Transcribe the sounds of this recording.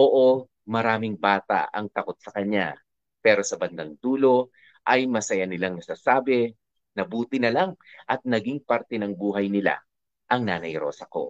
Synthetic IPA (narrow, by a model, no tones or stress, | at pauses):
ʔoːʔo | mɐɾaːmɪŋbaːt̪a̰ɐ̰ŋt̪ɐko̞t̪̚sɐkɐɲːa̰ | pɛːɾo̞sɐbɐnd̪ɐŋd̪uːlo̞ | ʔɐjmɐsɐjanɪlaŋnɐsaːsaːbɛ | nɐbuːt̪ɪnɐlaŋʔɐt̪̚nɐɡiŋpɐɾt̪ɛnɐŋbuːɦɐjnɪla̰ | ʔɐŋnaːnɐjɾo̞̰ːsɐko̞̰